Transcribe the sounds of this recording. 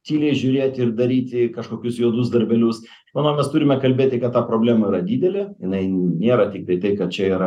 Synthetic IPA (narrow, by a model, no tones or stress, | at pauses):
t̪ʲiːlʲɛɪʒʲʊːɾʲeːt̪ʲɪrd̪ɐɾʲiːt̪ʲɪkɐʃkoːkʲʊsjuɔd̪usd̪ɐɾʲbʲɛlʲʊs | ʃmɐnoʊmʲɛst̪uːɾʲɪmʲɛkɐlʲbʲeːt̪ʲɪkɐt̪t̪ɑːpɾoːbʲlʲæːmɐiːɾɐd̪ʲiːd̪ʲɛlʲejɪnɐɪnʲeːɾɐtʲɪk̚t̪ɐɪt̪ɐɪkɐt̪t͡ʃʲɛiːɾɐ